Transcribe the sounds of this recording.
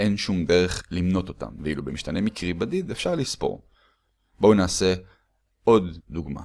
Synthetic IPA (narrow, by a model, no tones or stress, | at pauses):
ʔe̞nʃumde̞ʁeχlimno̞t̪o̞t̪a̰mveilubemiʃt̪anemikʁibadidefʃaʁlispo̰ʁ | bownaːse̞ | o̞d̪ːuɡma̰